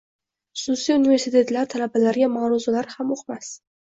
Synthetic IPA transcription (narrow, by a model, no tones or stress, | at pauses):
χʊ̥susijunive̞ɾsit̪ʰe̞t̪laɾt̪ʰalabalaɾɡʲamaɾʊzalaɾhamoqmas